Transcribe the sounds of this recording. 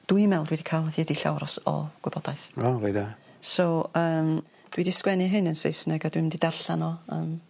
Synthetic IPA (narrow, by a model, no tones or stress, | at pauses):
d̥wujmɛlˠdwidikʰalˠðidiɬa̰wɾɔsɔ̰ɡ̥wɪbɔd̥aɨθaɾeða | sowəːm | d̥widiskwɛnɨɦɨnənsḛjsnɛɡadwɨmdidaɬanɔə̰ːm